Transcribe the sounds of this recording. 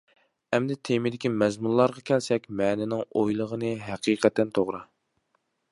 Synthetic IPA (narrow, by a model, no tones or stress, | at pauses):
ɛmd̪ɛt̪ʰemɪd̪ɪkʲimɛzmunlˠɑɾʁɑkʲʰɛlsɛkʲmɛːnɪnɪŋojlˠəʁənɨɦæqʰiːqɛt̪ːɛnt̪ʰoʁɾɨ